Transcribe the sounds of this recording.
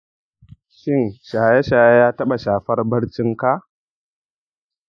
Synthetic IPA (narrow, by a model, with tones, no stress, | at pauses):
ʃi˦nʃa˨ja˦ʃa˨ja˦ja˦ta˦ɓa˨ʃa˨fa˦ɾbɐ˦ɾt͡ʃi˦ŋka˦